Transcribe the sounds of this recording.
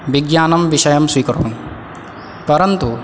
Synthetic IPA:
biɡjaːnɐmbiʃɐjɐmswikɔɾɔ̰ʋũ | pɐɾɐnt̪u

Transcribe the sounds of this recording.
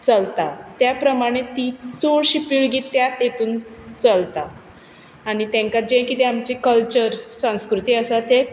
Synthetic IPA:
t͡səlt̪at̪japɾəmaɽ̃et̪it͡soɽɕiːpiɭɡiːt̪ːjat̪jet̪uːnt͡səlt̪aː | ɽ̃it̪jɛ̃ŋkad͡ʑẽkit̪ɛamt͡ɕikəlt͡ɕəɾsə̃w̃skɾut̪iːəsat̪e

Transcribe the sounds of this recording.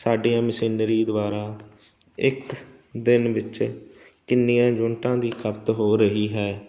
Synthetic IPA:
saːɖijãːməsiːnɾiːd̪ʊʋaːɾaː | ɪk | d̪ɪnʋɪt͡ʃ | kɪnːijãːd͡ʒõɳʈãːd̪iːkʰəpt̪ɦoːɾəɦiːɦɛː

